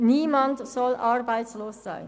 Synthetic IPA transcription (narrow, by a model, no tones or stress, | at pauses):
niːmɑntsɑlʔɑɹbɛjtsloːsːɛ̰jn